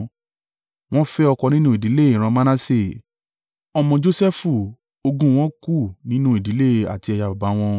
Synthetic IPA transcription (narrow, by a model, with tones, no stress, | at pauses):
w̃ɔ̃˦fɛ˦ɔ˧kɔ˧nĩ˦nũ˦i˨di˨˦le˦˨ĩ˨ɾ̃ã˧mã˦nã˦se˦˨ | ɔ˧mɔ̃˧d͡ʒo˦sɛ˦fu˨ | o˧ɡũ˦w̃ɔ̃˦ku˦˨nĩ˦nũ˦i˨di˨˦le˦˨a̰˨ti˧ɛ˧ja˧ba˨ba˨˦w̃ɔ̃˧